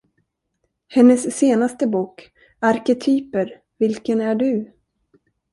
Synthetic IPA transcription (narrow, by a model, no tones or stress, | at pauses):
hɛnːəsːeːnast̪əbuːk | aɾkɛt̪ʰyːpəɾ | vɪlkənæɖɵ